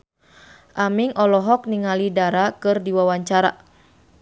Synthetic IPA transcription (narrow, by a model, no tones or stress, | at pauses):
ʔamiŋʔɔlɔɦɔk̚niŋalidaɾakɨrdiwawaɲt͡ʃaɾa̰